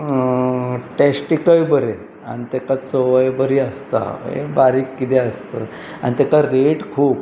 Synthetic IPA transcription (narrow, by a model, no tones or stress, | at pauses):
ʈɛsʈikəjbəɾe | a̰ñit̪ɛkat͡səʋəjbəɾiːəst̪a̰ḛbaɾiːkːit̪ɛəst̪ə̰ | a̰ñit̪ɛkaɾeʈkʰuːp